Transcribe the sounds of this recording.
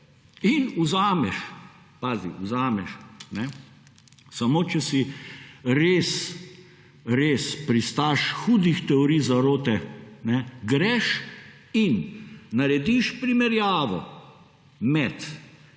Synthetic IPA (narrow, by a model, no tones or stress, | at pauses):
inuzaːmɛʃ | paːzḭuzaːmɛʃnɛ | sɐmoːt͡ʃɛsi | ɾeːs | ɾeːspɾist̪aʃxuːd̪ixt̪ɛɔɾijzaɾoːt̪ɛnɛɡɾɛʃ | inːɐɾɛd̪iʃpɾimɛɾjaːʋɔ̰ | mɛt̪